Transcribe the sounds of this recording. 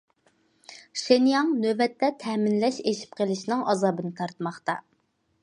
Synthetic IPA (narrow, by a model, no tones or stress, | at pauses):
ʃenjɑŋnøvɛt̪ːɛt̪ʰɛːmɪnlɛʃeʃi̥p̚qʰəlˠɪʃnɨŋʔɑzɑːbɨnɨt̪ʰɑɾt̪mɑχt̪ɑ